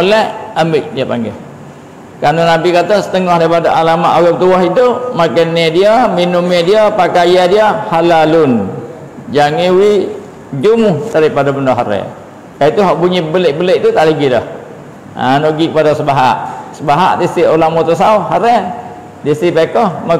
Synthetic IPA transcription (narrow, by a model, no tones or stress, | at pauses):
olɛəmbɪʔ̚diapa̰ŋɡɛh | kanonabikat̪ɔsə̥t̪əŋɔhdaipadaʔalamaʔoɡapət̪uahidʊpmakanːediaminumɛdiapakajadiahalalʊn | d͡ʒaŋewi | d͡ʒumʊhd̪aɾipadabənɔʔɦaɾɛ̰ | kait̪uɦaʔbuɲibəleʔ̚bəleʔ̚t̪ut̪aʔləɡidɔh | a̰noʔɡikəpadasəbaɦa̰ʔsəbaɦa̰ʔdisiʔolamot̪ɔsauɦaɾɛ | disipekɔhma